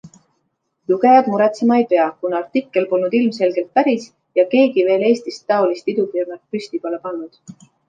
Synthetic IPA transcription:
luɡe̞jɑd̪muɾet̪simɑejpe̞ɑkunɑrt̪ikːˑe̞lpo̞lnud̪̥ilmse̞lɡ̥e̞lt̪̚pæɾis | jɑke̞ːɡive̞ːle̞ːst̪ist̪ːɑolist̪id̪upirnɑt̪̚pysʲt̪ipolepɑnːud̪̥

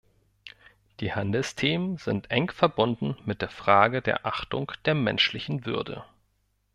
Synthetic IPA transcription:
d̥iːhandl̩stʰeːmənzɪntʔɛŋfɛɐbʊndn̩mɪt̚d̥eːɐfʁ̥aːɡədḛːɐʔaχtʊ̰ŋd̥eːɐmɛnʃlɪçn̩vʏɐdə̰

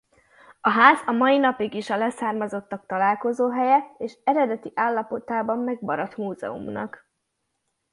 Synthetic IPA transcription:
ɒɦaːzɒmɒjinɒpiɡiʃɒlɛsaːrmɒzo̞t̪ːɒk̚t̪ɒlaːlko̞zoːɦɛjɛeːʃɛɾɛd̪ɛt̪iʔaːlːɒpo̞t̪aːbɒmːɛɡbɒɾɒt̪muːzɛ̰ṵmnɒ̰k

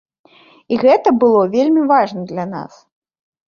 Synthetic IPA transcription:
iɣɛt̪ɐbɨlˠɔvʲelʲmʲivaʐnɐd̪lʲɐna̰s

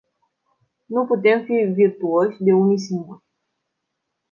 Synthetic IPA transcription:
nuput̪e̞mfivirt̪uoʃʲd̪e̞unijs̬iŋɡuɾʲ

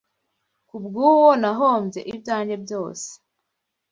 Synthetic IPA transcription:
kubɡuːwonaɦomze̞̰ʔibjaːɲɟe̞bjo̞ːse̥

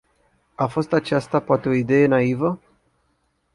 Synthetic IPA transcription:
afo̞st̪at͡ʃast̪apoat̪e̞o̞id̪e̞je̞naivə

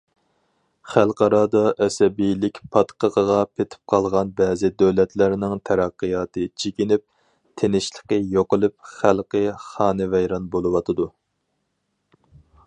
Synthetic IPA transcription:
χælˠqɑɾɑd̪ɑʔɛsɛbijlɪkʲpʰɑt̪qʰəʁəʁɑpʰet̪ʰɪ̥p̚qʰɑlˠʁɑnbɛːzɪd̪øwlɛt̪læɾnɪŋt̪ʰæɾæqːɨjɑːt̪ɨt͡ʃʰekʲinɪp̚ | t̪ʰenɪʃlˠəqəjoqəlˠɨp̚χælˠqəχɑːnɨvɛjɾɑnbolˠɨwɑt̪ʰɨd̪u

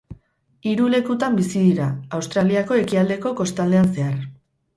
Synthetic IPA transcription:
iɾule̞kut̪ambisiðiɾaawst̪ɾaliako̞e̞kiald̪e̞ko̞ko̞st̪ald̪e̞anse̞ar

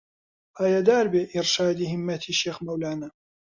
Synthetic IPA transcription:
ʔaːjad̪aːɾbeːʔɪɾʃaːd̪ihɪmːɐt̪ʰiːʃeːxmɐwlaːna

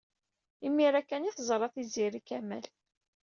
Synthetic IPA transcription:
imːiɾækːæniθəzˤɾˤɑθiziɾikæmæ̰l

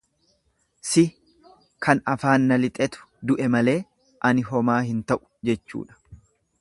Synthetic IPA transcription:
sɪ | kʰɐnɐfaːnːɐlɪt̪ʼɛt̪ʊ̥ | d̪ʊʔɛmɐle̞ː | ʔɐnɪɦɔmaːhɪnt̪ɐʔʊ̥d͡ʒɛt͡ʃːṵːᶑɐ̥

